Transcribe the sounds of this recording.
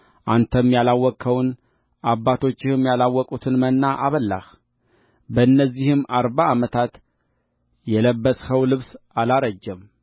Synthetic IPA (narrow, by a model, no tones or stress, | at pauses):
ʔant̪ʰəmjalawːɔkʰːəwn | ʔabːat̪ʰo̞t͡ʃːɪhɨmjalawːɔkʼut̪ʰɨnmənːaʔaβəlːa̰h | bəɨnːəzːihɨmaɾβaːmət̪ʰat̪ | jɛləbːəsʼhəwlɨβsalaɾəd͡ʒːɛm